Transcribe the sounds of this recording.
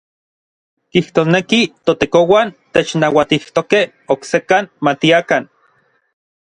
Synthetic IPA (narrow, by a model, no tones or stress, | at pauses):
kiht̪oːsnekit̪ot̪ekowant̪et͡ʃnawat̪iht̪okeh | oksekanmat̪iakan